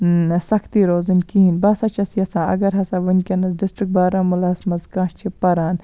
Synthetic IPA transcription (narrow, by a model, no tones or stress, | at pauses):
sɐkt̪iɾoːzɨnkiɦinʲbɐsɐt͡ʃʰɐsiɐsãːɐ̰ɡɐɾɦɐsaːʋɐnkʲɐnɐsɖisʈɾik̚baːɾaːmulɐsmɐzkãːʈt͡ʃʰipɐɾaːn